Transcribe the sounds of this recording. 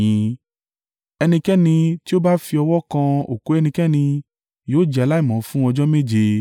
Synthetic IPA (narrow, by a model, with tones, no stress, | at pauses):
ĩ˨˦ | ɛ˧nĩ˧kɛ˦nĩ˧ti˦o˦ba˦fi˧ɔ˧wɔ˦kã˧o˨ko˨˦ɛ˧nĩ˧kɛ˦nĩ˧ | joː˨˦˨d͡ʒɛ˧a˧la˦i˦˨mɔ̃˨˦fũ˦ɔ̃˧d͡ʒɔ˦me˦˨d͡ʒe˧